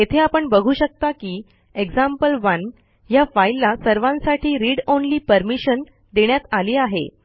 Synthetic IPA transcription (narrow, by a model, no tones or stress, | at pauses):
jet̪ʰeapəɳbəɡʱuːɕək̚t̪akiː | eɡd͡zampəlʋən | jafailːasəɾʋãnsaʈʰiːɾiɽonliːpəɾmiɕən | d̪eɳjat̪aliːaɦḛ